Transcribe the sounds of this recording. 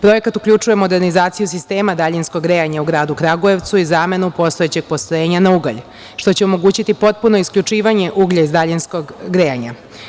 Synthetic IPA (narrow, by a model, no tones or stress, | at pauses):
pɾo̞je̞kat̪ukʎʲut͡ʂuje̞mo̞d̪e̞ɾnizaːt̪sijus̬ist̪e̞ːmad̪aʎinskoɡɾejaɲauɡɾaːd̪ukɾaɡoe̞ʋt̪suizame̞nupo̞st̪o̞jet͡ɕe̞ɡ̚po̞st̪oje̞ːɲanauɡa̰ʎ | ʃt̪o̞t͡ɕeomo̞ɡuːt͡ɕit̪ipo̞t̪̚puno̞iskʎʲut͡ʂiːʋaɲe̞ʔuːɡʎaizd̪aʎinskoɡɡɾeja̰ɲa̰